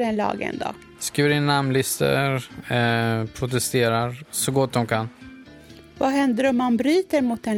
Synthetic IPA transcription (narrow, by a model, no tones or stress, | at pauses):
ɾɛnlɑ̰ːɡə̰nd̪ɔ̰ | skɾiːvəɾɪnːamlɪst̪ə̰ɾ | pʰɾʊt̪ɛst̪eːɾaɾsɔɡɔt̪̚d̪ɔmkʰan | vaɦɛnd̪əɾɔmːanbɾyːt̪əɾmʊt̪̚ɛn